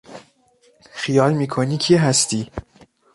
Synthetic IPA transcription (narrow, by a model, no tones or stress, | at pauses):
xijɒːlmiːkʰoniːcʰiɦæst̪iː